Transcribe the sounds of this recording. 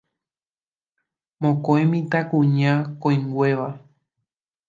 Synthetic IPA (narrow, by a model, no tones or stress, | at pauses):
mõkõẽmĩt̪akũɲãkõj̃ŋɡwe̞ʋa